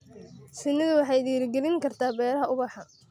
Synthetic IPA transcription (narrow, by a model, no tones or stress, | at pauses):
sɪnːɐðʊwɑħɑjd̪iːɾɡɛlɪŋkʰɐrt̪ʰaːbɛːɾɐɦɐʊβɑħɑ